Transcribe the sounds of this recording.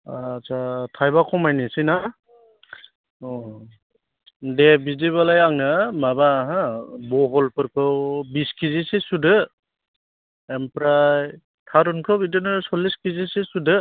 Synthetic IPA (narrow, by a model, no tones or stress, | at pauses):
at͡ʃʰatʰajbakʰɔmajnisina | ɔ | debiziβalajaŋnɯmabaɦabɔɦɔlpɯɾkʰɯwbiskizisisudɯ | empɾaj | tʰaɾunkʰɔbidɯnɯsɔliskizisisudɯ